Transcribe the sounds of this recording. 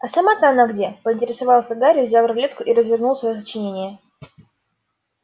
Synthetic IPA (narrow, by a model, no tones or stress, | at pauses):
ɐsɐmat̪nəɐnaɡdʲe̞pəɪnʲtʲɪɾʲɪsɐvɑlˠsʲəɡaɾʲɪvzʲalɾvlʲet̪kʊʔiɾəzvʲɪrnulˠsvɐjos̬ət͡ɕɪnʲenʲɪjə